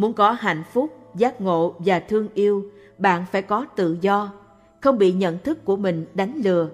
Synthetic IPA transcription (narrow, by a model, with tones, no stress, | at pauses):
mu˨˦ənkɔ˨˦ha̰˧˨jŋ̟fʊ˦˥k͡p̚zaː˦˥p̚ŋo̰˧˨vaː˨˩t̪ʰɨ˧əŋʔi˧əw | ɓa̰ː˧˨nfaː˧˩jkɔ˨˦t̪ɨ̰˧˨zɔ˧ | xə˧wŋ͡mɓḭ˧˨ɲə̰˧˨nt̪ʰɨ˦˥kːu˧˩əmï˨˩ŋ̟ɗa˨˦jŋ̟lɨ˨˩ə